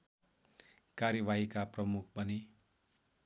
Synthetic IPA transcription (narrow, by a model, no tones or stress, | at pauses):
kaɾjʌbaɦikaprʌmukʰbʌne